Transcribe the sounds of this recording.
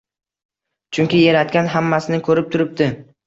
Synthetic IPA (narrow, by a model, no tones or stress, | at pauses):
t͡ʃʰʊŋkʲɪjaɾat̪̚kʲanɦamːasɪnɪkʰɵɾɪp̚t̪ʰʊɾɪp̚d̪ɪ